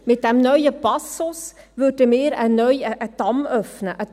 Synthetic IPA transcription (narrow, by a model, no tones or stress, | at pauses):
mɪt̚d̥ɛmnœʏəpɑsʊs | vʏdəmɪːɾənœʏəʔəd̥ɑmœfnəʔə